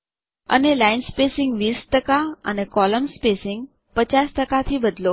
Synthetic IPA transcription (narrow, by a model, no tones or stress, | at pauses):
ə̰nelainspesɪŋɡʋiːst̪əkaə̰nekɔləmspesɪŋɡ | pət͡ɕast̪əkat̪ʰiːbəd̪lo